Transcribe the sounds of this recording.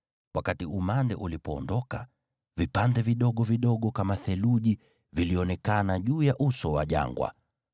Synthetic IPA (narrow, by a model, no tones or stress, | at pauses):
wakatiumandɛ̰ʔulipɔːndɔka | vipandɛviɗɔɠɔviɗɔɠɔkamaθɛluʄi | viliɔnɛkanaʄuːjaʔusɔwa̰ʄa̰ŋɡwa̰